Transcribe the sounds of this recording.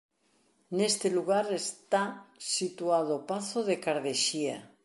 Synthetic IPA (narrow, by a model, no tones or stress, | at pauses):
nest̪eluɣ̞aɾest̪asit̪uað̞opaθoðekaɾðeʃia̰